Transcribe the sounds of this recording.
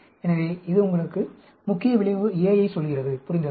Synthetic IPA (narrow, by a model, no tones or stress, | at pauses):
ɛnɐʋeːɪðɯʊŋɡɐɭɯkːɯ | mʊkːɪjɐʋɪɭɪʋɯɪjɐjɐɪsɔlɣɪrɐðɯpʊɾɪnd̪ɐ